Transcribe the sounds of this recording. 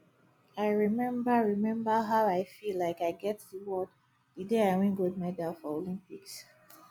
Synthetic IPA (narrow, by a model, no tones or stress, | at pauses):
aɪɹimɛ̃mbəɹimɛ̃mbəɦaʊaɪfilːaɪkaɪɡɛtðiwɔd | dɨdeaɪwĩnɡod̚mɛdafɔolĩmpiks